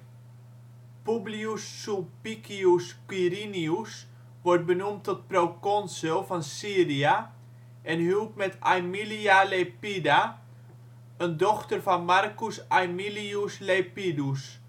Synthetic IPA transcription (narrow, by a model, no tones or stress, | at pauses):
publiusːupikiuskwiɾinius | ʋɔrt̚bənumtʰɔt̚prowkɔnsəlˠfɔnsiəria | ʔɛnhyəlˠp̚mɛtʰajmilialepida | əndɔxtərfɔnmarkusajmiliuslejpidus